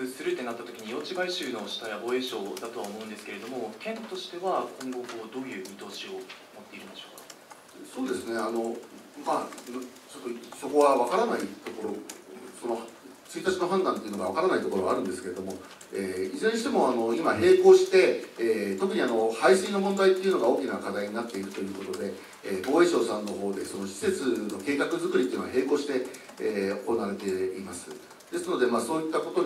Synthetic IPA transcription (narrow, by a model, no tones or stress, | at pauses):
sɨɾɯ̟t̪ːe̞nat̪ːat̪o̞kʲiɲ̟ijo̞ːt͡ɕiɡaiɕɨːno̞ɕi̥t̪ajabo̞ːe̞ːɕo̞ːd̪at̪o̞βaomo̞ɯ̃nd̪esɨ̥keɾe̞d̪o̞mo̞t̪ʰẽ̞nt̪o̞ɕi̥t̪e̞βakʰõ̞ŋɡo̞kɯod̪o̞ːjɯ̟ːmʲit̪o̞ːɕio̞ | mo̞t̪ːe̞iɾɯnd̪eɕo̞̥ːkḁ | so̞ːd̪e̞sɨne̞ano̞ | ma | t͡ɕo̞t̪ːoso̞ko̞βaβakaɾanait̪o̞ko̞ɾoso̞no̞h | t͡sɨit̪at͡ɕino̞ɦãnd̪ãnt̪e̞iɯ̟no̞ɡaβ̞akaɾanait̪o̞ko̞ɾo̞βaɾɯ̟̃nd̪e̞sɨ̥ke̞ɾe̞d̪o̞mo̞ | eːiʑẽɲ̃ɕi̥t̪emo̞ano̞imaɦe̞ːko̞ːɕi̥t̪e̞ːt̪o̞kɯ̟ɲ̟iano̞haiɕĩːno̞mõ̞nd̪ait̪ːe̞iɯ̟no̞ɡao̞ːkʲinakad̪aiɲ̟inat̪ːe̞iɾɯ̟t̪o̞jɯ̟ːko̞t̪o̞d̪e̞ | bo̞ːe̞ɕo̞ːsãnːo̞ɦo̞ːd̪e̞so̞no̞ɕi̥se̞t͡sɨno̞ke̞ːkakɯ̟zɨkɯ̟ɾʲit̪ːeɯnoaɦe̞ːko̞ːɕi̥t̪e̞ | oko̞naːɾe̞t̪e̞imasɨ̥ | d̪̥e̞sɨno̞d̪e̞maːso̞ːit̪ːako̞t̪o̞